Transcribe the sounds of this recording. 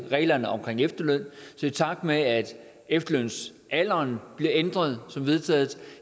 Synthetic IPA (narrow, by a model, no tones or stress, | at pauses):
ʁɛ̰ːlɐnəɒ̽mkʰʁeŋefd̥ɐløn̰sit͡sʰɑ̈ɡ̥̚d̥meæd̥ | efd̥ɐløn̰s | ʔælɐnb̥liɐend̥ʁɐð̞ˠsɒ̽mʋe̝ð̞ˠt͡sʰɛ̰ːð̩ˠ